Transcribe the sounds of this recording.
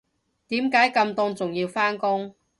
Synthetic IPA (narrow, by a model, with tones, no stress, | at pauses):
t̪iː˨˥mkaː˨˥jkɐ˧mt̪ɔː˥ŋt͡sʊ˨˩ŋjiː˧wfaː˥nkʊ˥ŋ